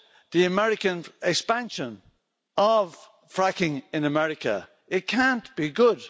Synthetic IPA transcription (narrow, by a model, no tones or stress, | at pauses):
ðiɨmɛɹɪkə̃nɪkspãnʃə̃n | ʔəv̥ | fɹakɪ̃ŋɪ̃nəmɛɹɪkə̰ | ɪt̚kʰãnb̥iɡʊd̥